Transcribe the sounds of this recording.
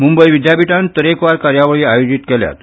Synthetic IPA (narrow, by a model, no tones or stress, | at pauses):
mumbəjʋid̪japiʈant̪əɾekʋaɾkaɾjaʋəɭiːajod͡ʑit̪kɛlja̰t̪